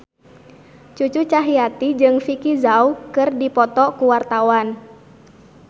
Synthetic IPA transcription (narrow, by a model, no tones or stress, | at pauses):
t͡ʃut͡ʃut͡ʃaɦiat̪id͡ʒɨŋfikizaukɨrdipɔt̪ɔkuwart̪awan